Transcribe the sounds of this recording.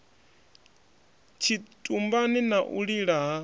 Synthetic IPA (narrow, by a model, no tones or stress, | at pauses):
t͡ʃʰitʼumbaninaʔṵɺiɺaɦa